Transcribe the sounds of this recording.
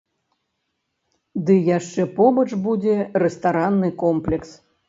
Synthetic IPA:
d̪ɨjaʂt͡ʂɛpɔbɐt͡ʂbud͡zʲɛrɛst̪aɾanːɨkɔmplʲɛks

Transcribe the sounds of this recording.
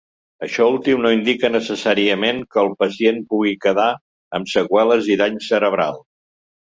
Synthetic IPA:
əʃɔulˠt̪imnoind̪ikənəsəsaɾiəmeŋkəːlˠpəsienpuɣikəða | əmsəɣwɛləziðaɲsəɾəβɾalˠ

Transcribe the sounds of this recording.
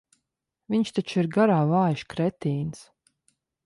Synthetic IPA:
viɲʃt̪at͡ʃiɾɡaɾaːvaːjʃkɾɛt̪iːns

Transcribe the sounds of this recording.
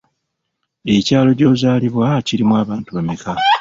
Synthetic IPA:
e̞caːlo̞ɟo̞ːzaːliβwaciɾimwaːβaːntuβemikʰa

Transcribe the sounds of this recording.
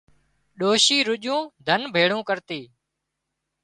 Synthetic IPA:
ɗoːʃiːɾʊʄũːd̪ʱənbʱeːɽũːkəɾt̪iː

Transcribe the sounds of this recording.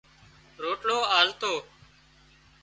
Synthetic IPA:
ɾoːʈɽoːaːlt̪oː

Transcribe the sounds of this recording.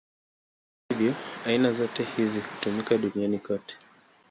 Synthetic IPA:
ivjɔainazɔtɛhizihu̥tumikaɗunianikɔtɛ̥

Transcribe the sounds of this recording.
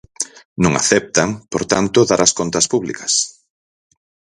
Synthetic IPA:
nõŋa̰θɛp̚t̪aŋpoɾt̪ant̪ʊðaɾɐskont̪ɐspuβlikɐs

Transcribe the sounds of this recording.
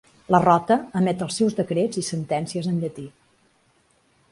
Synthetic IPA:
lərɔt̪əːmɛt̪əlˠsːɛwzðəkɾed͡zisənt̪ɛnsiəzənʎət̪i

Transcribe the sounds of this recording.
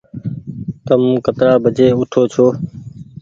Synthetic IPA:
k̪əmkət̪ɾaːbʱəd͡ʒeːʊʈʰoːt͡ʃʰoː

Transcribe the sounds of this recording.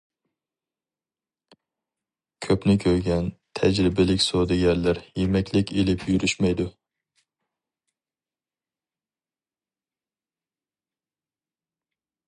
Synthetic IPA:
kʲʰøpnɪkʲʰøɾɡʲɛnt̪ʰɛd͡ʒɾɪbɪlɪkʲsod̪ɪɡʲɛɾlæɾjemɛkʲlɪkʲelɪpʰjyɾyʃmɛjd̪u

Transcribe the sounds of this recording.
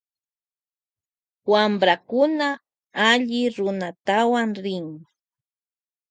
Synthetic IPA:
wambɾakʊna | aʎɪɾʊnat̪awaŋɾɪŋ

